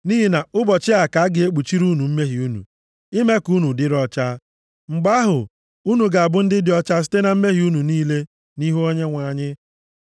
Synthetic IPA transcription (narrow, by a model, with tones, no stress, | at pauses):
ni˦ɦi˦na˨ʊ˦bɔ˨t͡ʃɪ˦a˨ka˨a˦ɡɪ˨e˦k͡pu˨t͡ʃi˦ɾu˦nu˨m̩˦me˦ɦi˨u˦nṵ˨ | i˦me˦ku˦nu˨dɪ˦ɾɔ˦t͡ʃa˦ | ŋ͡m̩˨ɡ͡ba˦ɦʊ˨ | u˦nu˨ɡa˨a˨bʊ˦n̩˦dɪ˦dɪ˨ɔ˦t͡ʃa˦si̥˦te˦na˨m̩˦me˦ɦi˨u˦nu˨niː˦le˦ | ni˦ɦu˦o˦ɲe˦ŋʷa˨ɲɪ˦